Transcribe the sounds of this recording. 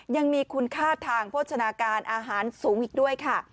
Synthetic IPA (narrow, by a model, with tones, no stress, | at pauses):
ja˧ŋmiː˧kʰu˧nkʰaː˥˩t̪ʰaː˧ŋpʰu˥˩t̪̚t͡ɕʰa˧naː˧kaː˧nʔaː˧ɦaː˩˦nsuː˩˦ŋʔiː˨˩k̚du˥˩əjkʰa˥˩